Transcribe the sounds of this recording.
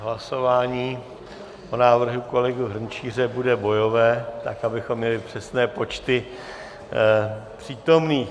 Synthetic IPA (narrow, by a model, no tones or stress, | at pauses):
ɦlaso̞vaːɲiː | ʔonaːvr̩ɦuko̞lɛɡuɦr̩ɲt͡ʃiːr̝ɛbudɛbo̞jo̞vɛːt̪akabɪxo̞mːɲɛlɪpr̝̥ɛsnɛːpo̞t͡ʃt̪ɪ | pr̥iːt̪o̞mniː